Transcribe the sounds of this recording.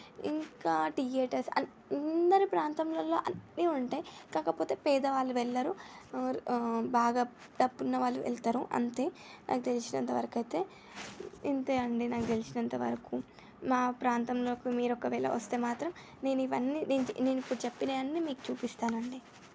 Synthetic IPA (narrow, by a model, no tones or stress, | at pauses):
ḭŋkaːʈijeːʈɐɾsɐ̰ | nnd̪ɐɾipɾaːnt̪ɐmloːlo̞ːʔɐnːiːuɳʈaːjikaːkɐpoːt̪e̞ːpɛːd̪ɐʋaːɭːuʋɛɭːɐɾu | baːɡaː | ɖɐbːunːɐʋaːɭːuʋʔɛ̰lt̪aɾuʔɐ̰nt̪e̞ːnʔa̰ːkut̪e̞lit͡ʃinɐnt̪ɐʋɐ̰ɾɐkɐjt̪e̞ː | int̪eːɐɳɖinaːkut̪e̞lit͡ʃinɐnt̪ɐʋɐ̰ɾɐku | maːpɾaːnt̪ɐmlo̞ːkimiːɾɔkɐʋɛːlɐ̰ʋɐ̰st̪e̞ːmaːt̪ɾɐm | ne̞ːnuiʋɐnːineːnne̞ːnuipːuɽut͡ʃepːineːɐnːiːmiːku̥t͡ʃuːpist̪aːnɐɳɖi